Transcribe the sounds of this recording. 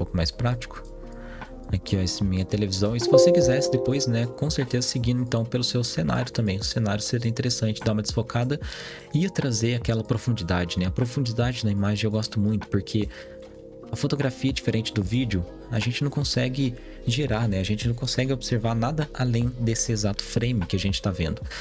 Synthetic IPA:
ũpowkʊma̰jspɾat͡ʃi̥kʊ̥ | akʰiɛsmĩɲɐt̪elevizɐ̃w̃ɪsɪvosekizɛsɪd̪epojsnɛkõseɾt̪ezɐsɪɡĩnd̪ʊẽnt̪ɐ̃w̃pelʊsewsena̰ɾjʊt̪ɐ̃mbẽj̃ʊsẽnaɾjʊseɾɐĩt̪eɾesɐ̃t͡ʃɪd̪aũmɐd͡ʒɪsfokad̪ɐ | iiɐt̪ɾazeakɛlɐpɾofũnd͡ʒid̪ad͡ʒɪnɛɐpɾofũnd͡ʒid̪ad͡ʒɪnɐimaʒẽewɡɔst̪ʊmũj̃t̪ʊ̥poɾkʰe | ɐfot̪oɡɾafiɐd͡ʒifeɾẽnt͡ʃɪd̪ʊvid͡ʒʊ | aʒẽnt͡ʃɪnɐ̃w̃kõsɛɡɪ | ʒiɾanɛaʒẽnt͡ʃɪnɐ̃w̃kõsɛɡɪobɪseɾvaɾnad̪ɐalẽj̃d̪esɪezat̪ʊ̥fɾẽmɪkɪaʒẽnt͡ʃɪ̥t̪avḛ̃nd̪ʊ

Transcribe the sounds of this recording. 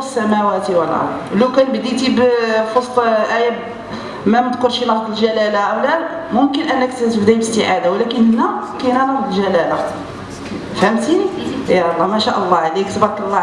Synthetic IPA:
əsːæmæwæt̪iwəlʔɑ̰ɾd̪ləwkænbd̪it̪ibfosˤt̪ˤʔæjæb | mæməd̪kʊlʃinɑhd̪ˤəlʒælælaʔæwlæ | mʊmkənʔənːəkt̪t̪əbd̪æbəst̪əʕad̪awlækənhənːækæjnænɑfd̪ˤəlʒælæla | fhæmt̪ijɑlˤːɑmæʃæʔəlˤːɑʕlikt̪bɑkːəlˤːɑ

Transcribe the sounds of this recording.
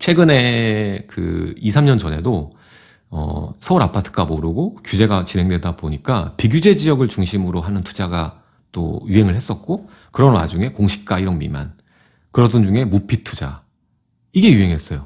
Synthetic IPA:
t͡ɕʰwe̞ɡɯne̞kɯ̰isʰamɲʌnd͡ʑʌnɦe̞do | ʌ̰sʰʌuɾapʰatʰɯ̥ɡamoɾɯɡokjud͡ʑe̞ɡat͡ɕinɦe̞ŋdwedaboɲik͈apiɡjud͡ʑe̞d͡ʑiʌɡɯɭt͡ɕuŋɕʰimɯɾoɦanɯntʰu̥d͡ʑaɡa | t͈o̰juɦe̞ŋɯɭhe̞s͈ʌt̚k͈o | kɯɾʌnwa̰d͡ʑuŋe̞koŋɕʰi̥k̚k͈aiɾʌnmḭma̰n | kɯɾʌdɯnd͡ʑuŋe̞mupʰitʰud͡ʑa̰ | iɡe̞juɦe̞ŋɦe̞s͈ʌjo

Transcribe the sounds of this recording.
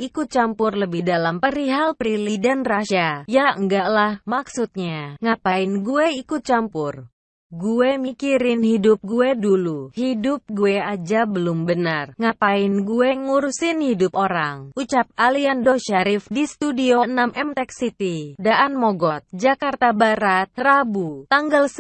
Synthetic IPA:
ʔikʊt̪̚t͡ʃampʊrləbɪdalampəɾiɦalpɾilidanraʃajaəŋɡaʔlahmaksut̪̚ɲaŋapaɪnɡueikʊt̪̚t͡ʃampʊr | ɡuemikiɾɪnhidʊp̚ɡueduluhidʊp̚ɡuead͡ʒabəlʊmbənarŋapaɪnɡuɛŋuɾusɪnhidʊp̚oɾaŋut͡ʃap̚aliandoʃaɾɪfdist̪udioənamʔɛmt̪ɛksit̪idaʔanmoɡɔt̪̚d͡ʒakart̪abaɾat̪̚rabut̪aŋɡals

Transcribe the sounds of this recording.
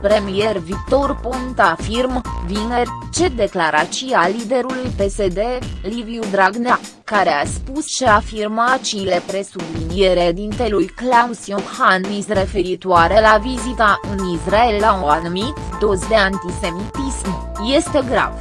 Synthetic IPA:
pɾe̞mije̞rvik̚t̪o̞rpont̪afirmvine̞rt͡ʃe̞d̪e̞klaɾat͡ʃialid̪e̞ɾulujpe̞se̞d̪e̞livjud̪ɾaɡna | kaɾe̞aspusʃaːfirmat͡ʃile̞pɾe̞sublinije̞ɾed̪int̪e̞lujklausiohanmisre̞fe̞ɾit̪oaɾe̞lavizit̪aʔɨnisrae̞lːauanumit̪d̪o̞zd̪e̞ant̪ise̞mit̪ism | je̞st̪e̞ɡɾa̰v

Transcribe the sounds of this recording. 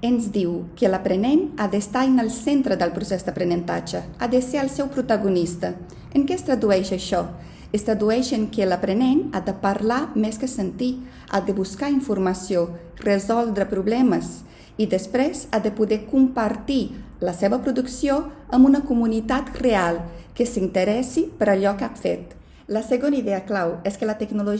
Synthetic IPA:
ənzd̪iwkəlapɾənenadəst̪ajnəlˠsent̪ɾəd̪əlpɾusɛzd̪əpɾənənt̪a̰d͡ʒəad̪əseəlˠsɛwpɾut̪aɣunist̪ə | əŋkɛst̪ɾəd̪uɛʃəʃɔ | əst̪ɾad̪uɛʃəŋkələpɾənena̰d̪əpəɾlamɛskəsənt̪i | a̰d̪əβuskaiɱfuɾməsjo | rəzɔlˠd̪ɾəpɾuβlɛməs | id̪əspɾɛzad̪əpuðɛkumpəɾt̪i | ləseβəpɾuðuksjoəmbunəkumunit̪at̪realˠkəsint̪əɾɛsipəɾaʎɔkafḛt̪̚ | ləsəɣoniðɛəklawɛskələt̪əɡnulu

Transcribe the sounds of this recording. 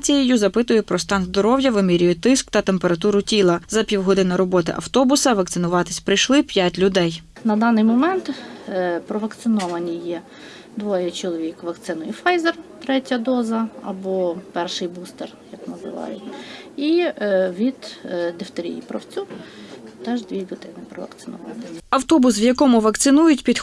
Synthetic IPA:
t͡sʲijijuzɐpɪt̪ʊjʊpɾɔst̪ɑnzd̪ɔɾɔwjɐʋɪmiɾʲʊjʊt̪ɪskt̪ɐt̪empeɾɐt̪uɾʊtʲilˠɐzɐpʲiwɦɔd̪ɪnɐɾɔbɔt̪ɪ̰ʔɐ̰wt̪ɔbʊsɐʋɐk̚t̪ɪnʊʋɑt̪ɪsʲpɾɪjʃlˠɪpʲjatʲlʲʊd̪ɛj | nɐd̪ɑnɪjmɔmɛnt̪ | pɾɔʋɐkt̪sɪnɔʋɐnʲijɛ | d̪ʋɔjɛt͡ʃɔlˠɔʋʲikʋɐkt̪sɪnʊjifɑjzert̪ɾɛtʲɐd̪ɔzɐɐ̰bɔpɛrʃɪjbust̪erjɐknɐzɪ̰ʋɑ̰jʊtʲiʋʲid̪d̪ɪft̪eɾʲḭjḭpɾɐ̰wt͡sʲu | t̪ɛʒd̪ʲʋʲilʲʊd̪ɪnɪpɾɔʋɐ̰kt̪sɪ̥nʊʋɑ̰nɪɐwt̪ɔbʊsʋjɐkɔmʊʋɐkt̪sɪnujʊtʲpʲid̪

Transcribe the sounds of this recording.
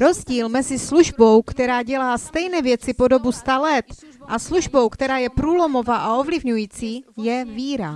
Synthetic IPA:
ɾo̞zɟiːlmɛzɪsluʒbo̞wkt̪ɛɾaːɟɛlaːst̪ɛjnɛvjɛt͡sɪpo̞do̞bust̪alɛt̪ʔasluʒbo̞wkt̪ɛɾaːjɛpɾuːlo̞mo̞vaːʔao̞vlɪvɲujiːt͡siːjɛviːɾa

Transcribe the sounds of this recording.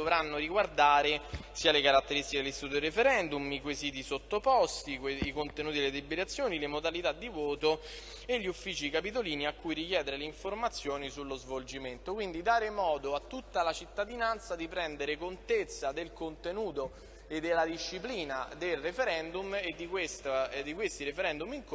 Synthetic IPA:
d̪ovɾanːoɾiɡward̪aːɾesiːalekaɾat̪ːeɾist̪iked̪elist̪it̪ut̪od̪irefeɾɛnd̪umikwesit̪̬isot̪ːopɔst̪ieikont̪enuːt̪ieled̪ibeɾat̪sːjoːnilemod̪alit̪ad̪ːivoːt̪o | eʎːiufːiːt͡ʃikapit̪̬oliːniakːujɾikjɛːd̪eɾeleiɱformat̪sːjoːnisulːozvold͡ʒiment̪okwind̪id̪aːɾemɔːd̪oat̪ːut̪ːalat͡ʃit̪ːad̪inant̪sad̪ipɾɛnd̪eɾekont̪et̪sːad̪elkont̪enuːt̪o | ed̪ːelːad̪iʃːipliːnad̪elrefeɾɛnd̪umed̪ːikwest̪ad̪ːikwest̪iɾefeɾɛnd̪umiŋk

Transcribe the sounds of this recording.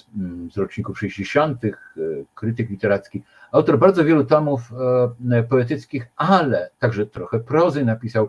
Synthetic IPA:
zɾɔt͡ʂɲikufʂɛʑd͡ʑeɕɔnt̪ɘxkɾɘt̪ɘklʲit̪ɛɾat̪skʲi | awt̪ɔɾbaɾd̪zɔvʲjɛlut̪ɔmuf | pɔɛt̪ɘt̪skʲixalɛt̪aɡʐɛt̪ɾɔxɛpɾɔzɘnapʲisaw

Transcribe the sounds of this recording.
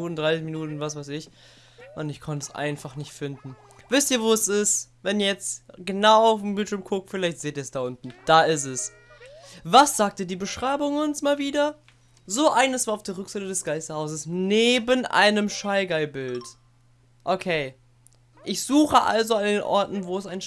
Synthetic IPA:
uːtn̩dʁaɪsɪçminuːtn̩vasvaɪsɪç | ʔʊntɪçkʰɔntəsʔa̰ɪnfaχnɪçtfɪndn̩ | vɪstiːɐvoːɛsɪstvɛniːɐjɛt͡stɡ̥ənaʊaʊfm̩bɪltʃʏɐmkʰʊk̚tfɪlaɪçtz̥eːtiːɐɛsd̥aʔʊntn̩d̥aːɪs̬tɛs | vasz̥aːk̚tədiːbəʃʁ̥aɪbʊŋʊnsmaːlviːdɐ | zoːʔaɪnəsv̥aːaʊfd̥eːɐʁʏkz̥aɪtədɛsɡ̥aɪstɐhaʊszəsneːbənʔa̰ɪnəmʃaɪɡaɪbɪlt | ʔokʰeɪ | ʔɪçz̥uːχəʔa̰lzoandeːnʔɔ̰ɐtn̩voːɛsaɪn

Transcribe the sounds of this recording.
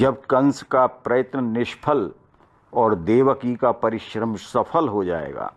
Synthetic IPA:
d͡ʒɐb̚kɐ̃nskapɾɐjət̪nənɪʃpʰəl | ɔːɾd̪eːʋəkikapɐɾɪʃɾəmsɐpʰəlɦod͡ʒa̰ːḛːɡa̰ː

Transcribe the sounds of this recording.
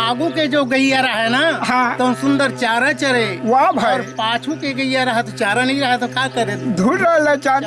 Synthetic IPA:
aːɡuked͡ʒoɡəijaɾaɦɛnaɦãt̪ɔsund̪əɾt͡ʃaːɾət͡ʃəɾeʋabʱaɔɾpat͡ʃʰukeɡəjaɾaɦɛt̪t͡ʃaɾənəiɾəɦɛt̪kakəɾet̪d̪ʱuʈalət͡ʃa

